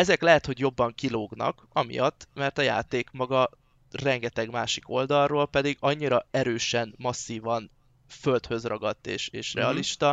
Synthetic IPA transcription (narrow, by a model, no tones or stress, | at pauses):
ɛzɛklɛɦɛt̪ho̞ɟjo̞bːɒŋkiloːɡnɒ̰k | ɒmḭjɒt̪ːmɛrt̪ɒja̰ːt̪eːkmɒɡɒ | rɛŋɡɛt̪ɛɡmaːʃi̥ko̞ld̪ɒrrːoːlpɛd̪iɡɒɲːiɾɒɛɾøːʃɛnmɒsːiːvɒn | fø̞lt̪hø̞zrɒɡɒt̪ːḛːʃeːʃrɛ̰ɒliʃt̪ɒ